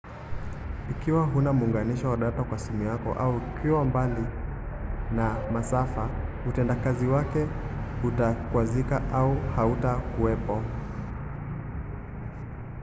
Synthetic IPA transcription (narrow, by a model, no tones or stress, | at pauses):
ikiwaɦunamuːŋɡaniʃɔwaɗatakwasimujakɔ̰ʔauikʰiwambali | namasafa | utɛndakaziwakɛutakwazikaʔauhautakuɛpɔ